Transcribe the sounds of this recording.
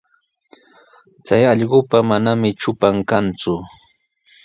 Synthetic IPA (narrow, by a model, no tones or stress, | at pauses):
t͡sajɑʎɢʊpamanamɪt͡ʃʊpaŋkant͡sʊ